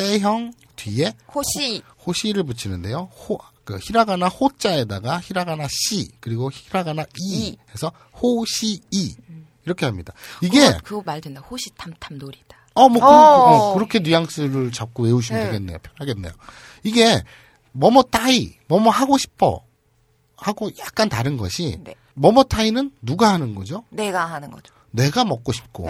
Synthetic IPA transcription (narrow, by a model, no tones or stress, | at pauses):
s͈e̞ɦjʌŋ | twie̞ | hoɕʰiɾɯɭp̬ut͡ɕʰinɯnde̞johokɯçiɾaɡanahot͡ɕ͈ae̞daɡaçiɾaɡanaɕʰikɯɾiɡoçiɾaɡanaʔiesʰʌ | hoɕʰiː | iɾʌkʰe̞ɦamɲida̰iɡe̞kɯmaɭdwendahoɕʰi̥tʰamtʰamnoɾid̥ḁ | ʌmwʌkɯmokɯɾʌkʰe̞nujaŋs͈ʰɯɾɯɭt͡ɕak͈owe̞uɕ̬ʰimeɡenːe̞̰jopʰjʌnɦaɡe̞nːe̞jo | iɡe̞ | mʌmʌt͈aimʌmʌɦaɡoɕʰi̥pʰʌ̰ | haɡojak̚k͈antaɾɯnɡʌ̰ɕʰin | mʌmʌtʰainɯnːuɡahanɯnɡʌd͡ʑoneɡaɦanɯnɡʌd͡ʑo | ne̞ɡamʌk̚k͈oɕʰi̥p̚k͈o̰